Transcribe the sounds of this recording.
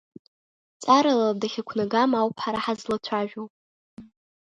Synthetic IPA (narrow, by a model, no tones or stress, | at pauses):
t͡sʼaɾaladaχʲakʷʰnaɡamawpʰħaɾaħazlat͡sʷʰaʒᶣopʼ